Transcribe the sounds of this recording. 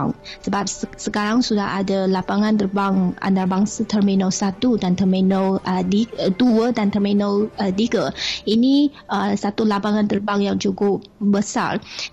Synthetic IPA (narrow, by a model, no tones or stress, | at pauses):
səbap̚səkaɾaŋsudahadalapaŋãnt̪ərbaŋa̰nt̪arbaŋsat̪ʰərminəlsat̪udant̪ərminəldiduədant̪ərminələdiɡəini | əsat̪ulapaŋãnt̪ərbaŋjaŋd͡ʒuɡʊʔ | bəsa̰r